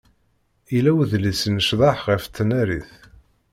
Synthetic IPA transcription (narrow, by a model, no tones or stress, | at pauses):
ilæwðlisənəʃðˤɑħʁəft͡sːnæɾiθ